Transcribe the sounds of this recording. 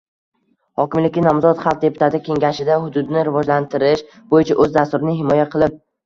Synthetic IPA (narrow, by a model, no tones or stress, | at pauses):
hɒkʲɪmlɪkʲːɪnɒmzɒt̪χalˠq̚d̪e̞pʰʊ̥t̪ʰat̪ɪkʲʰe̞ŋʲaʃɪd̪ahʊd̪ʊd̪ɪnɪɾɪvɒd͡ʒlant̪ʰɪɾɪʃ | bojɪt͡ʃʰaʔɵzd̪ast̪ʊɾɪnɪɦɪmɒjaqʰɨlˠɪp̚